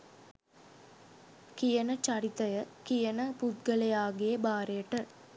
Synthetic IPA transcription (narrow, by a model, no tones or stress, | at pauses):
kijənət͡ʃɐɾit̪ɐjəkijənəput̪̚ɡəlejaːɡejebaːɾejəʈə